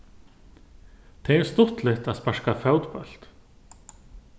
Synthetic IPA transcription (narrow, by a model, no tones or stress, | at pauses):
t̪ʰɛɣɛɾst̪ʊht̪lɪht̪aðspar̥kafawt̪pœ̰l̥t̪